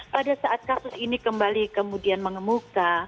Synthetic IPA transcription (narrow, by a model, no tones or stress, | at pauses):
padasaʔat̪̚kasʊsinikəmbalikəmudianməŋəmuka